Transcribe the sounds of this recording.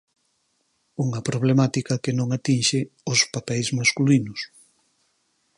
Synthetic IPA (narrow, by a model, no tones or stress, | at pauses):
uŋɐpɾoβ̞lemat̪ikɐkenõŋat̪inʃɪ | ʊspapɛjzmaskulinʊs